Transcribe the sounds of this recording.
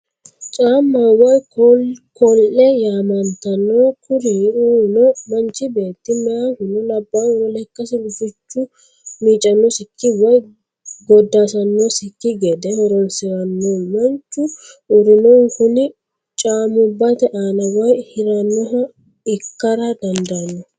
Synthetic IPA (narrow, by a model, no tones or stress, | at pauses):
t͡ʃʼaːmːaːwɐj | kɔlɛjaːmɐnt̪ɐnːoːkʊɾiuːnɔmɐnt͡ʃɪbe̞ːt̪ːɪmɛjakʊnʊlɐbːaːnwɔlɛkːɐsɪɡʊfɪt͡ʃːʊ | miːt͡ʃʼːɐnːɔsɪkːɪwɐj | ɡɔd̪ːaːsɐnːɔsɪkːɪɡɛd̪ɛhɔɾɔnsɪɾɐnːomɐnt͡ʃːʊ | ʊɾʊnɔŋkʊnɪ | t͡ʃʼaːmʊbːɐt̪ɛʔaːnɐwɐjhɪɾɐnːɔɦɐ | ɪkːɐɾɐd̪ɐnd̪ɐɐnːɔ